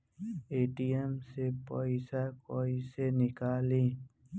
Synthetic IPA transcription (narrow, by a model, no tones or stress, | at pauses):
eːʈijemsepoisakoisenɪkaːliː